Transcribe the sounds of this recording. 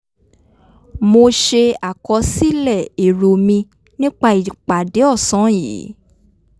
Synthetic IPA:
mo˧ʃe˧a˨kɔ˧˦si˦lɛ˦˨e˨ɾo˨mĩ˧ | nĩ˦k͡pa˧i˨k͡pa˨de˨˦ɔ˦˨sɔ̃˨˦jḭ˨˦

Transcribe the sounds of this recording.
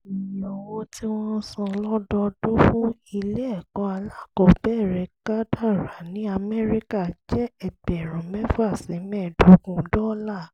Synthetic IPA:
i˨jĩ˨ɔ˧wo˦ti˦w̃ɔ̃˦sã˧lɔ˦dɔ˧do˦fũ˦i˧le˦ɛ˦˨kɔ̃˧˦a˧la˦˨kɔ˨bɛ˦˨ɾɛ˧˦ka˦da˦˨ɾa˨nĩ˨˦a˧mɛ˦ɾi˦ka˦˨d͡ʒɛ˦ɛ˨bɛ˨ɾ̃ɔ̃˨mɛ̃˦fu˦a˦˨sĩ˨˦mɛ̃˦˨do˨˦ɡũ˧˨˦dɔ˦la˦˨

